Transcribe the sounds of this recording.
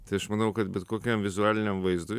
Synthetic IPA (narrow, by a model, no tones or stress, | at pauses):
t̪ɐɪɐʃmɐnɐʊkɐt̪bʲɛt̪koːkʲɛmʋʲɪzuæːlʲɪnʲɛmʋɐɪzd̪ʊ